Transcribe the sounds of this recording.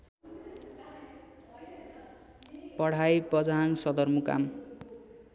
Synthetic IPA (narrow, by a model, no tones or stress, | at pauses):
pʌɽ̤ajpʌd͡zaŋsʌd̪ʌrmuka̰m